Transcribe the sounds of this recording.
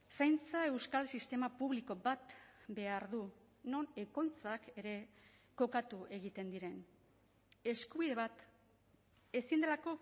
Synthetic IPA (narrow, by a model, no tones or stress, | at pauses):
sajnt͡sae̞wskalsist̪e̞mapuβ̞liko̞bat̪be̞aɾðu | no̞ne̞ko̞jt͡sake̞ɾe̞ | ko̞kat̪uʔe̞ɣit̪e̞nd̪iɾe̞n | e̞skuβiðe̞βat̪ | e̞sind̪e̞lako̞